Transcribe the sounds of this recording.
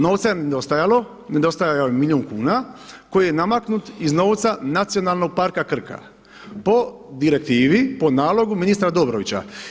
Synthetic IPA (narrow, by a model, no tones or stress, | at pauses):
noʋt̪sajened̪o̞st̪ajalo̞ | ne̞d̪o̞st̪ajajaojemilʲioːnkuːnako̞jijenamaknut̪izno̞ːʋt̪sanat̪sijo̞nalˠno̞ɡ̚paɾkakr̩ka̰ | po̞ | d̪iɾe̞k̚t̪iːʋipo̞naːlo̞ɡuminist̪ɾad̪obɾoʋit͡ɕa̰